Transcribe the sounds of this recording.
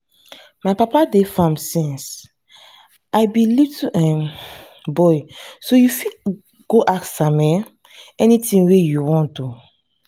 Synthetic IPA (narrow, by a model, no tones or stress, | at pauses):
majpapadefãmsĩns | ajbilivtʰuʔɛ̃m | bɔjsojufi | ɡ̥oʔaksamɛ | ɛnitĩŋwejuwɔ̃ndu